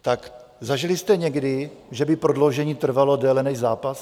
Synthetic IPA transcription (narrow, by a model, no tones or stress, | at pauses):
t̪ak | zaʒilɪst̪ɛɲɛɡdɪʒɛbɪpɾodlowʒɛɲiːt̪r̩valodɛːlɛnɛʒzaːpas